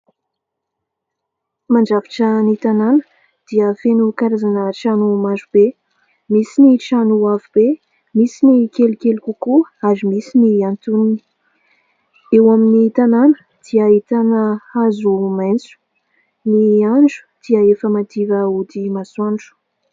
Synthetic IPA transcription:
maɳɖ͡ʐavi̥ʈ͡ʂənit̪ananə̥ | d̪̥iəfenukaɾazanəʈ͡ʂanumazube | misiniʈ͡ʂanuavube | misinikelikelukukuaɾimisiniant̪unini̥ | ewaminit̪ananə | d̪̥iəit̪anəazument͡su̥ | niaɳɖ͡ʐu̥d̪̥iəefəmad̪ivəud̪imaswaɳɖ͡ʐu̥

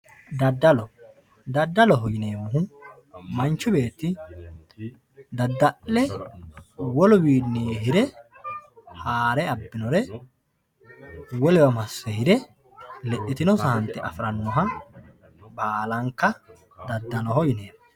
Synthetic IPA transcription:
d̪ɐd̪ːɐlɔ | d̪ɐd̪ːɐlɔɦɔjɪneːmʊhʊ | mɐnt͡ʃːʊbe̞ːt̪ːɪ | d̪ɐd̪ːɐʔːɛ | wɔlʊbiːdneːɦɪɾɛ | haːɾɛɐbːɪnɔɾɛ | wɔlɛwɐmɐsːɛhɪɾɛ | lɛʔɪt̪ɪnɔsɐhɐnt̪ːɛʔɐ̰fɾɐnːɔɦɐ | baːlɐŋkːɐ | d̪ɐd̪ːɐnɔhɔjɪneːm

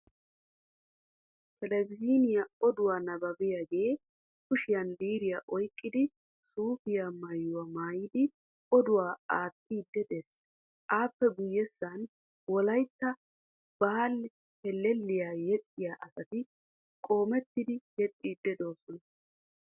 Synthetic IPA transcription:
tɛlɛɡziːnɪjaɔd̪ʊwaːnɐbɐbɪjaɡe̞ː | kʊʃɪjɐndiːɾɪjaʔɔjkʼːɪd̪ɪ | suːfɪjamɐjːʊwamaːjɪd̪ɪ | ɔd̪ʊwaːaːt̪ːiːd̪ːɛd̪es | ʔaːpːɛɡʊjːɛsːɐn | wɔlɐjt̪ːɐ | b̥aːlː | hɛlːɛlːɪjaːjɛtʼːɪjaːʔɐsɐt̪ɪ | kʼo̞ːmɛt̪ːɪd̪ɪjɛt̪ʼːiːd̪ːɛd̪oːsɔnɐ

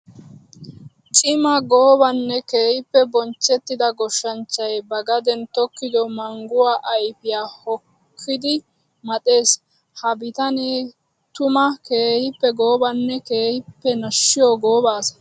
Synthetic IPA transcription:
t͡ʃʼɪmɐɡoːbɐnːɛke̞ːhɪpːɛbɔnt͡ʃːɛt̪ːɪd̪ɐɡɔʃːɐnt͡ʃːɐjbɐɡɐd̪ɛnt̪ɔkːɪd̪ɔmɐŋɡʊwaːʔɐjpɪjaːhɔkʰːɪd̪ɪ | mɐt̪ʼe̞ːs | hɐbɪt̪ɐneː | t̪ʊmɐke̞ːhɪpːɛɡoːbɐnːɛke̞ːhɪpːɛnɐʃːɪjoɡoːbaːsɐ̥

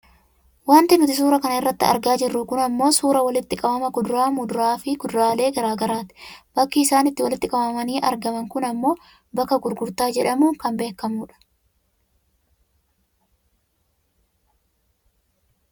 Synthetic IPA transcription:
waːnt̪ɪnʊt̪ɪs̬uːɾɐkɐnɐɪrːɐt̪ːɪɐ̰ɾɡaːd͡ʒɪrːʊkʊnɐmːo̞ːsuːɾɐwɐlɪt̪ːɪkʼɐbɐmɐɡʊd̪ʊɾaːmʊd̪ʊɾaːfɪɡ̥ʊd̪ɾaːle̞ːɡɐɾaːɡɐɾaːt̪ɪ̥b̥ɐkːɪːsaːnɪt̪ːɪwɐlɪt̪ːɪkʼɐbɐmɐniːʔɐ̰ɾɡɐmɐŋkʊnɐmːo̞ː | bɐkːɐɡʊɾɡʊɾt̪aːd͡ʒɛᶑɐmuːŋkɐmbe̞ːkːɐmuːᶑɐ̥

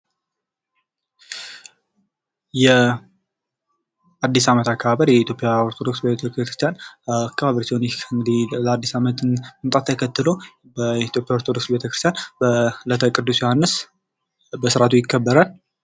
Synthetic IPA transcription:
jɛ | ad̪ːisamət̪akːəβaβəɾjɛit̪jo̞pʼijaoɾt̪ʰod̪o̞ksbt̪ʰpʼjakɾɨst̪ʰjanakːəβaβɾt̪ʰnʰɨŋɡd̪ilad̪ːisamət̪ɨnɨnt̪ʼat̪ʰːəkʰət̪ːɨlo̞ | bət̪jo̞pʼjaoɾt̪ʰod̪o̞ksbet̪ʰəkɾɨst̪ijanbələt̪ʰəkʼɨd̪ːusjohanːɨs | bəsɨɾat̪ʰujɪkːəbːəɾal

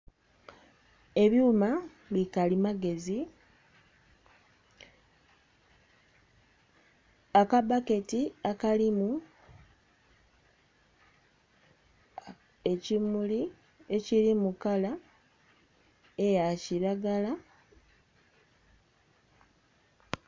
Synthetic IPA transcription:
e̞βjuːma | βikalimaɡe̞zi | akabake̞tiakalimu | e̞cimuli | e̞ciɾimukala | ejaciɾaɡala

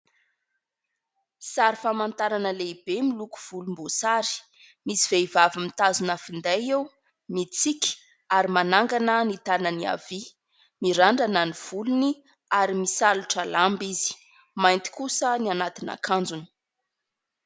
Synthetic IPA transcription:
saɾifamant̪aɾanəleibemiluku̥v̥ulumbosaɾi̥ | misiv̥eivavimit̪azunafind̪ajew | mit͡siki̥ | aɾimanaŋɡanənit̪anənia̰vi | miɾaɳɖ͡ʐananiv̥uluni | aɾimisaluʈ͡ʂəlambizi̥ | majnt̪i̥kusənianat̪ina̰kʰand͡zuni̥

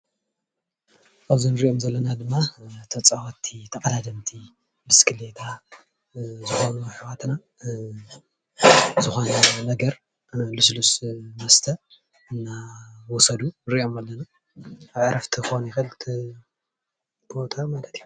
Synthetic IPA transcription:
ʔaβzinɨɾiʔo̞mzɐlːɐnad̪ɨmːat̪ʰɐt͡sʼawat̪ʰːit̪ʰɐkʼɐlad̪ɐmt̪ʰi | bɨskʰɨlet̪ʰa | zɨxo̞nuħɨwat̪na | zɨxo̞nɐnɐɡɐɾ | luslusmɐst̪ʰɐ | ɨnːawɔsɐd̪unɨɾiʔo̞malːɐna | aβʕɾɐft̪ʰɨxonjɪxɨlt̪ʰi | bo̞t̪ʰamalɐt̪iju

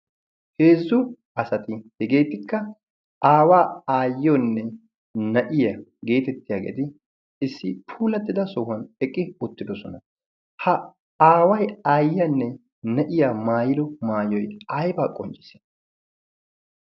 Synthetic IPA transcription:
he̞ːzːʊ | ɐsɐt̪ɪhɛɡe̞ːt̪ːɪkːɐ | ʔaːwaːaːjːɔnːɛ | nɐʔɪjɐɡe̞ːt̪ɛt̪ːɪjaːɡḛːd̪ɪ | ɪsːɪpʰuːlɐt̪ːɪd̪ɐsɔhɐnɛkʼːɪʊt̪ːɪd̪ɔsɔnɐ | hɐ | aːwɐjaːjːɐnːɛ | nɐʔɪjaːmaːjɪd̪ɔmaːjɔjɐjbaːkʼɔnt͡ʃʼɪ̥se̥

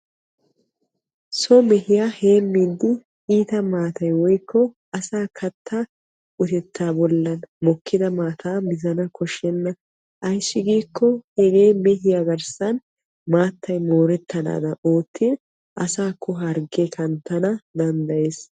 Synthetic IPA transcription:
sɔmɛhɪjaheːmːid̪ːɪ | iːt̪ɐmaːt̪ɐjwɔjkːɔ | ɐsaːkʰɐt̪ʰːa | ʊt̪ɛt̪ʰːaːbɔlːɐnmɔkʰːɪd̪ɐmaːt̪ʰaːbɪzɐnɐkʰɔʃːɛnːɐ | ʔɐjsːɪɡiːkːɔhɛɡeːmɛhɪjɐɡɐɾsɐn | maːt̪ʰːɐjmoːɾɛt̪ːɐna̰ːd̪ɐʔoːt̪ʰːɪ | ʔɐsaːkʰːɔɦɐɾɡekɐnt̪ːɐnɐd̪ɐnd̪ɐjeːs

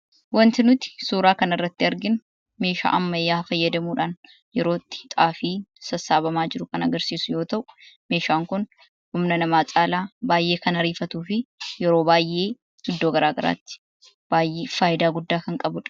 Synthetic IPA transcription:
wɐnt̪ɪnʊt̪ɪ̥suːɾaːkɐnɐrːɐt̪ːɪɐɾɡɪn | me̞ːʃa̰ːʔɐmːɐjaːfɐjːɐd̪ɐmuːᶑaːn | jɛɾoːt̪ːɪ̥t̪ʼaːfiːsɐsaːbɐmaːd͡ʒɪɾʊkɐnɐɡɐɾsiːsʊjo̞ːt̪ɐʔʊ̥me̞ːʃaːŋkʊn | hʊmnɐnɐmaːt͡ʃʼaːlaːbaːjʔe̞ːkɐnɐɾiːfɐt̪uːfɪjɛɾo̞ːbaːjʔe̞̥ː | ɪd̪ːoːɡɐɾaːɡɐɾa̰ːt̪ːɪ̥ | b̥aːjʔeːfaːʔɪd̪aːɡʊd̪ːaːkɐŋkʼɐbʊᶑɐ̥

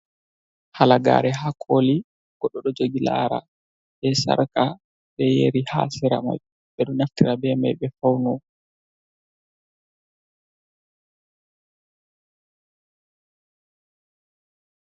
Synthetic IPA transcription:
halaɡa̰ːɾɛɦakʰoli | ɡ̥ɔɗːɔɗɔd͡ʒoɡilaɾa̰ | bɛsa̰ɾka | bɛjḛɾiha̰ːsiɾa̰ma̰j | ɓɛɗunaftiɾabɛma̰jɓɛfawnɔ

